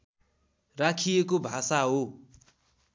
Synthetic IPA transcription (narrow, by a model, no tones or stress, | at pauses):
rakʰijekobʱasaɦo